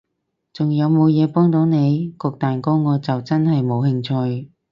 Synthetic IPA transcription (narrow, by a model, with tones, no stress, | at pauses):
t͡sʊ˨ŋjɐ˨˧wmo˨˧wjɛː˨˧pɔː˥ŋt̪o˨˥wne˨˧jkɔː˧k̚t̪aː˨nko˥wŋɔː˨˧t͡sɐ˨wt͡sɐ˥nhɐ˨jmo˨˧whɪ˧ŋt͡ʃʰɵ˧j